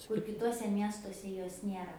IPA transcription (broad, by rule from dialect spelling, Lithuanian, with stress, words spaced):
kʊr kʲɪˈtuɔsʲɛ ˈmʲiɛstuɔsʲɛ ˈjoːs ˈnʲiɛrɐ